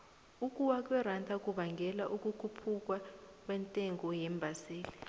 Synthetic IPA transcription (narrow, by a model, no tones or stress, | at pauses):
uk̬ʼuwak̬wɛrantʰak̬ʼuɓaŋɡʱɛlaʔuk̬ʼukʰupʰuk̬wak̬ʼwɛntʼɛŋɔjɛmbʱasiːli